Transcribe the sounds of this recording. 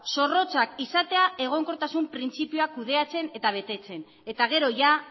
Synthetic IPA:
so̞ro̞t͡sakisat̪e̞ae̞ɣ̞o̞ŋko̞ɾt̪asumpɾint͡sipijoakuð̞e̞at͡se̞ne̞t̪aβ̞e̞t̪e̞t͡se̞n | e̞t̪aɣ̞e̞ɾo̞ʝa

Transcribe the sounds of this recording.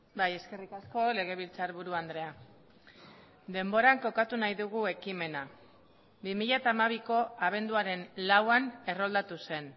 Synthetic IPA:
baje̞ske̞rikasko̞le̞ɣ̞e̞β̞ilt͡saɾβuɾuand̪ɾe̞a | d̪e̞mbo̞ɾaŋko̞kat̪unajðuɣue̞kime̞na | bimiʎat̪aːmaβ̞iko̞aβ̞e̞nd̪uaɾe̞nlawane̞ro̞ld̪at̪use̞n

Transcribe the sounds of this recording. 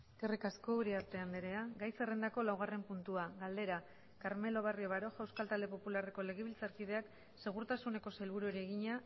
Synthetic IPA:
erikasko̞uɾiaɾt̪e̞and̪eɾe̞aɡajse̞rend̪ako̞lawɣ̞are̞mpunt̪uaɣald̪e̞ɾa | kaɾme̞lo̞β̞ario̞βaɾo̞ʝawskalt̪ald̪e̞po̞pulare̞ko̞le̞ɣ̞eβilt͡saɾkiðe̞ak | se̞ɣ̞uɾt̪asune̞ko̞selβuɾueɾieɣ̞iɲa

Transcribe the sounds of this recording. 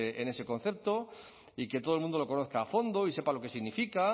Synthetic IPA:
ene̞se̞kõ̞n̟θe̞p̚t̪o̞ | iket̪oðelmũnd̪oloko̞no̞θkaːfo̞nd̪o̞ise̞palo̞kesiɣnifika

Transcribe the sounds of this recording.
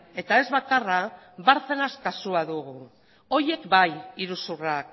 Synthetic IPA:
e̞t̪ae̞zβakara | baɾθenaskasuaðuɣu | o̞je̞kbajiɾusurak̚

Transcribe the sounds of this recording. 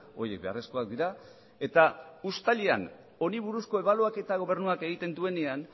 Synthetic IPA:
o̞̰ɾje̞k̚be̞a̰re̞sko̞ak̚d̪iɾa | e̞t̪aust̪aʎea̰n | o̞niβ̞uɾusko̞e̞βaloake̞t̪aɣ̞o̞β̞e̞ɾnuake̞ɣ̞it̪e̞nd̪ue̞ne̞an

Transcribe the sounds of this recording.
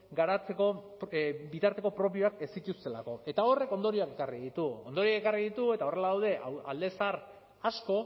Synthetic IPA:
ɡaɾat͡se̞ko̞ | bit̪aɾt̪e̞ko̞pɾo̞pio̞ake̞sic̪ust̪e̞la̰ko̞e̞t̪ao̞re̞ko̞nd̪o̞ɾio̞ake̞kariðit̪uo̰nd̪o̞ɾioakekariðit̪ue̞t̪ao̞re̞laðawð̞e̞ʔaa̰ld̪e̞saɾ | asko̞

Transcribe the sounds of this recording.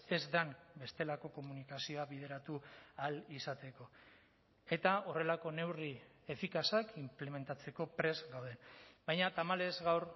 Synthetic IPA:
e̞zd̪anbe̞st̪e̞lako̞ko̞munikasio̞aβið̞e̞ɾat̪ualisat̪e̞ko̞ | e̞t̪ao̞re̞lako̞ne̞wri | e̞fikasakimple̞me̞nt̪at͡se̞ko̞pɾe̞zɡawð̞e̞nbajɲat̪amale̞zɣawɾ

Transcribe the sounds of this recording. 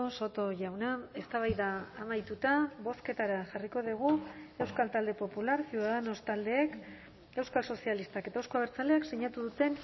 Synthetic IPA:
oso̞t̪oʝawnae̞st̪aβ̞ajðaːmajt̪ut̪aβo̞ske̞t̪aɾaʝariko̞ðiɣ̞ue̞wskalt̪ald̪e̞po̞pulaɾsioaðano̞st̪ald̪e̞ːk | e̞wskalso̞sialist̪ake̞t̪aewskoaβeɾt͡sale̞akseɲat̪uðut̪e̞n

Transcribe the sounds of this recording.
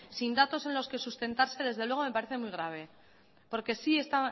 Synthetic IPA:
sind̪at̪o̞se̞nlo̞ske̞sust̪e̞nt̪aɾse̞ðe̞zðelwe̞ɣ̞o̞me̞paɾe̞θe̞mujɣ̞ɾaβ̞e̞ | po̞ɾke̞sie̞st̪a

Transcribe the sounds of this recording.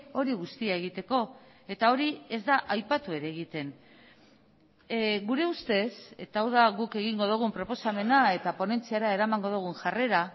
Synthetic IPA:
o̞ɾiɣust̪iae̞ɣ̞it̪e̞ko̞ | e̞t̪ao̞ɾie̞zd̪aʔajpat̪ue̞ɾe̞ːɣit̪e̞n | ɣuɾe̞ust̪e̞set̪awðaɣuke̞ɣiŋɡo̞ð̞uɣ̞umpɾo̞po̞same̞nae̞t̪apo̞ne̞nt͡siaɾae̞ɾamaŋɡo̞ðuɣ̞unʝare̞ɾa

